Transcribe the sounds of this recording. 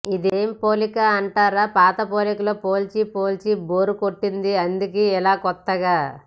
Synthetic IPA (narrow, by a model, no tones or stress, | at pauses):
id̪eːmpo̞ːlikaɐɳʈaːɾaːpaːt̪ɐpo̞ːlikɐloːpo̞ːlt͡ʃipo̞ːlt͡ʃibo̞ːɾukoʈːind̪iɐnd̪ik̬iːɛlaːkɔt̪ːɐɡaː